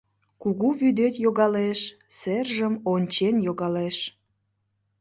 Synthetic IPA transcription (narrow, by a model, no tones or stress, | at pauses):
kuɣuβyd̪et̪joɣɑleʃ | serʒəmonʲt͡ɕenjoɣɑleʃ